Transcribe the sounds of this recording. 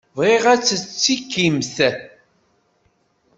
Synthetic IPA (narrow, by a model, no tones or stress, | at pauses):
vʁiʁæt͡sːət͡sːikːimθæθ